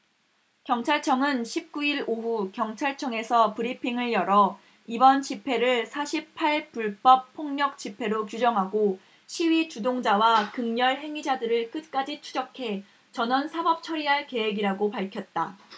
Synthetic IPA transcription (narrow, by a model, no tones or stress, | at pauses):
kjʌŋt͡ɕʰaɭt͡ɕʰʌŋɯnɕʰip̚k͈uiɾoɦukjʌŋt͡ɕʰaɭt͡ɕʰʌŋe̞sʰʌpɯɾipʰiŋɯɭjʌɾʌ | ibʌnt͡ɕipʰe̞ɾɯɭsʰaɕʰippʰaɭpuɭp͈ʌp̚pʰːoŋɲʌk̚t͡ɕ͈ipʰe̞ɾokjud͡ʑʌŋɦaɡo | ɕʰiwɥit͡ɕudoŋd͡ʑawakɯŋɲʌɭɦe̞ŋid͡ʑadɯɾɯɭk͈ɯt̚k͈ad͡ʑit͡ɕʰud͡ʑʌkʰe̞ | t͡ɕʌnʌnsʰabʌp̚t͡ɕʰʌɾiɦaɭke̞weɡiɾaɡopaɭkʰjʌt̚t͈a